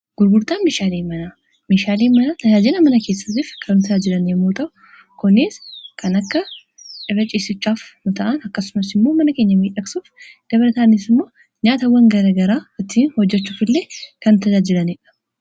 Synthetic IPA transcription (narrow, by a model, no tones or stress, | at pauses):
ɡ̥ʊɾɡʊɾt̪aːnmeːʃaːleːmɐna | meːʃaːleːmɐnaːt̪ʰɐd͡ʒaːd͡ʒɪlɐmɐnɐkʰe̞ːsːɐt̪ɪfkʰɐnːʊt̪ɐd͡ʒaːd͡ʒɪlɐneːmːuːt̪ʼɐʔʊ̥ | kʊnːɪskʰɐnɐkːɐ | t͡ʃɪrːɐt͡ʃʼiːsɪt͡ʃːaːfnʊt̪ɐʔɐnɐkːɐsʊmɐsɪmːo̞ːmɐnɐke̞ːɲːɐmiːᶑɐksuːfd̪̥ɐβɐɾɐt̪aːnɪsɪmːo̞ː | ɲaːt̪ɐwɐŋɡɐɾɐːɡɐɾaːɔt̪ːinhɔd͡ʒːɛt͡ʃːuːfɪlːeːkɐnːʊt̪ʰɐd͡ʒaːd͡ʒɪlɐneːᶑɐ̥